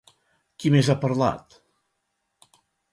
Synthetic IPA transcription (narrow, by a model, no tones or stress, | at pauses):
kimezapəɾla̰t̪